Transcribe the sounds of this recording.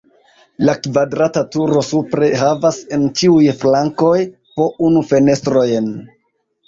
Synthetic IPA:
lakvadɾatatuɾo̞supɾe̞havase̞nt͡ʃiujflaŋko̞j | po̞unufe̞ne̞stɾo̞jn

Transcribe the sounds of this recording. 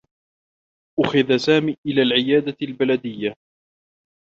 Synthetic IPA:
ʔʊxaðasaːmiːʔɪlaːlʕɪjaːd̪albalad̪ɪjːa

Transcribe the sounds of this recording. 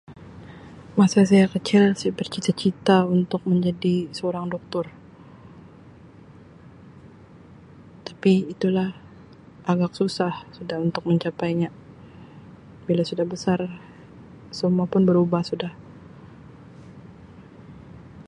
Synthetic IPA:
masas̬ajakət͡ʃɪlsajabərt͡ʃit̪at͡ʃit̪aunt̪ʊk̚məɲd͡ʒadisəoɾaŋdɔk̚t̪ʊr | t̪ḁpiːt̪ulah | ʔaɡak̚susahsudahunt̪ʊk̚məɲt͡ʃapajɲa | bilasudahbəsar | səmuapʊnbəɾubahsudah

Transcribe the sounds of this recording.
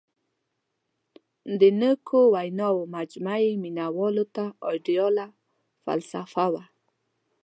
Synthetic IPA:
nd̪ɪnəkʰowajnowmad͡ʒmajmɪnawolot̪aojdijola | fa̰lsafawa

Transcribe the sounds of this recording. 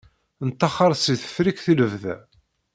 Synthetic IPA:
nət̪ːɑχɑɾˤsiθə̥fɾikθiləvðæ̰

